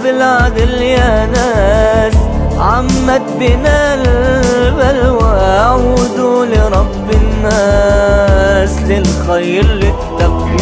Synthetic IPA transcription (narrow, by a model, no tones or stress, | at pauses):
bɪlʕad̪ɪljanaːsʕamːat̪̚bɪnalbalwɪʔaʕud̪ulɪɾˤɑbːɪnːa | slɪlxajɾlɪt̪ːaqi